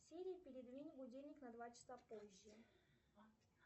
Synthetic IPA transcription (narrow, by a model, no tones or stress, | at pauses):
sʲeɾʲɪːpʲɪɾʲɪd̪vʲinʲbʊdʲelʲnʲɪknɐd̪vat͡ɕɪ̥sapoʑːə